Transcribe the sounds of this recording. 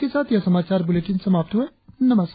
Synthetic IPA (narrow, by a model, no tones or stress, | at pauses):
kesaːt̪ʰjasɐmaːt͡ʃaːɾbʊleːʈɪnsɐmaːp̚t̪ɦue | nɐməs